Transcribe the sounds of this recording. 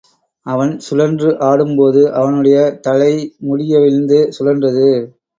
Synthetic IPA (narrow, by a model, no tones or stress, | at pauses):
ɐʋɐnsʊlɐndrɯʔaːɽɯmpoːðɯʔɐʋɐnɯɽɐjɐt̪ɐɻɐɪmʊɽɪjɐʋɪɾɯnd̪ɯsʊlɐndrɐðɯ